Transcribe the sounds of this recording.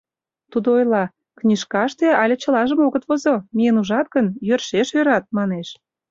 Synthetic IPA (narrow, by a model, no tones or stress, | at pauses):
t̪ud̪oojlɑ | knʲiʃkɑʃt̪eɑlʲĕt͡ɕə̆lɑʒə̆moɣət̪βozomʲijənuʒɑt̪̚ɡənjørʃeʃjøɾɑt̪̚mɑneʃ